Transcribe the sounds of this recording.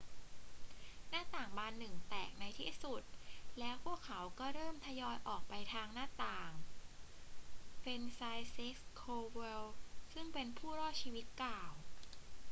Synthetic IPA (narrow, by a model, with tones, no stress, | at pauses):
naː˥˩t̪aː˨˩ŋbaː˧nːɯ˨˩ŋt̪ɛ̰ː˨˩k̚na˧jt̪ʰḭː˥˩su˨˩t̪̚lɛː˦˥wpʰuː˥˩əkʰːa˩˦wkɔː˥˩ɾɤː˥˩mt̪ʰa˧jɔː˧jʔɔː˨˩k̚pa˧jt̪ʰaː˧ŋnaː˥˩t̪aː˨˩ŋ | fe˧nsaː˧jsi˦˥k̚skʰoː˧we˧wsɯ˥˩ŋpe˧npʰuː˥˩ɾɔː˥˩t̪̚t͡ɕʰiː˧wi˦˥t̪̚klaː˨˩w